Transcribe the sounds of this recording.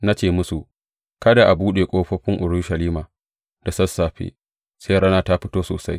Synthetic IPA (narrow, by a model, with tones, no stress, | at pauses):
na˦t͡ʃeː˦˨mʊ˦su˨ | kɐ˦da˨ʔa˨buː˦ɗe˨kʷʼoː˦ɸɐ˦ɸɪ˦ŋʔʊ˨ɾu˦ʃɐ˨liː˦maː˨ | d̥a˨sɐ˦sːaː˨ɸḛ˦ | seː˦ɽɐ˦naː˦ta˦ɸɪ˦toː˦soː˨sa˦j